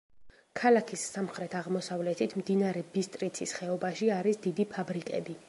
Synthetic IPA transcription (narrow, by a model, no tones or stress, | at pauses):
kʰalakʰisːamχɾɛt̪ʰaʁmɔsavlɛt̪ʰit̪ʰmd̪inaɾɛbist̪ʼɾit̪sʰisχɛɔbaʃiaɾisd̪id̪ipʰabɾikʼɛ̰bi